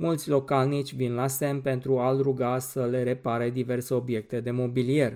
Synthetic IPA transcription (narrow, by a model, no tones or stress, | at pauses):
mult̪sʲlo̞kalnit͡ʃʲvinlase̞mpe̞nt̪ɾualɾuɡasəle̞ɾe̞paɾed̪ive̞rse̞o̞bje̞k̚t̪e̞d̪e̞mo̞bilie̞r